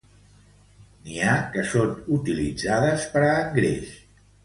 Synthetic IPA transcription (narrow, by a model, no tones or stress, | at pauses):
niakəsonut̪ilid͡zaðəspəɾaːŋɡɾḛʃ